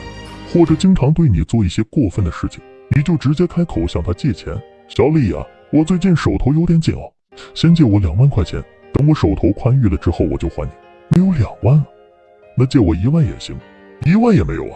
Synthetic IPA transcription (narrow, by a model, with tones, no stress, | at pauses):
xwɔ˥˩ʈ͡ʂɤ˨˩t͡ɕi˥ŋʈ͡ʂʰɑ˧˥ŋt̪we˥˩ɪni˨˩t͡swɔ˥˧i˥˩ɕjɛ˥kwɔ˥˧fə˥˩nd̪ə˩ʂɻ̩˥˩t͡ɕʰi̥˩ŋ | ni˨˩t͡ɕjo˥˩ʊʈ͡ʂɻ̩˧˥t͡ɕjɛ˥kʰa˥ɪkʰo˨˩ʊɕjɑ˥˩ŋt̪ʰa˥t͡ɕjɛ˥˩t͡ɕʰjɛ̰˧˥n | ɕjɑ˨˥ʊli˥˩ɐ̰˩ | wɔ˨˩t͡swe˥˧ɪt͡ɕi˥˩nʂo˨˩ʊt̪ʰo˧˥ʊjo˧˥ʊt̪jɛ˧˥nt͡ɕḭ˨˩ŋɐ̰˦ | ɕjɛ˥nt͡ɕjɛ˥˩wɔ˧˥ljɑ˨˩ŋwa˥˧nkʰwa˥˩ɪt͡ɕʰjɛ̰˧˥n | t̪ɑ˥ŋwɔ˧˥ʂo˨˩ʊt̪ʰo˧˥ʊkʰwa˥ny˥˩lə˩ʈ͡ʂɻ̩˥xo˥˩ʊwɔ˨˩t͡ɕjo˥˧ʊxwa̰˧˥nni˨˥˦ | me˧˥ɪjo˧˥ʊljɑ˨˩ŋwa˥˩nlə˨˩ | na˥˧t͡ɕjɛ˥˩wɔ̰˨˩i˧˥wa˥˩njɛ̰˨˩nɕḭ˧˥ŋ | i˧˥wa˥˩njɛ˨˩me˧˥ɪjo̰˨˩ʊ˧˩